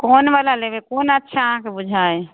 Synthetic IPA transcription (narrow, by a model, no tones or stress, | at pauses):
koːnʋalalebekoːnətːʃʰãkebʊd͡ʒʱae